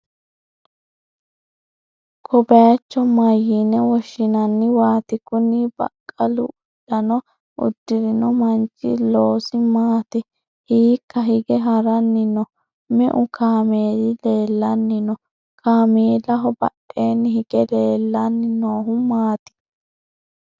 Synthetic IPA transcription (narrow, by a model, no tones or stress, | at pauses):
kʰɔbɐjɐt͡ʃːɔmɐjːinɛwɔʃːɪnɐnːɪwaːt̪ɪkʊnibɐ̰kʼːɐlʊ̰ | d̥ɐnɔ | ʊ̰d̪ːɪɾɪnɔmɐnt͡ʃːɪ̰loːsɪmaːt̪ɪ | hiːkːɐɦɪɡɛɦɐɾɐnːɪnɔ | mɛʔʊkʰaːmeːd̪ɪle̞ːlːɐnːɪnɔ | kʰaːmeːlɐɦɔbɐ̰ɗeːnːɪhɪɡɛleːlːɐnːɪnoːɦʊmaːt̪ɪ̥